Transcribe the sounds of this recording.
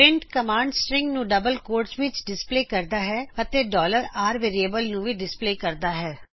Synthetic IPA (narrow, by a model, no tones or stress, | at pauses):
pɾɪ̃ɳʈkəmãːɳɖsʈɾɪ̃ŋɡnũːɖəbəlkoːɾʈsʋɪt͡ʃɖɪspleːkəɾd̪aːɦɛːət̪eːɖɔːləɾaːɾʋeːɾieːbəlnũːʋiːɖɪspleːkəɾd̪aːɦɛː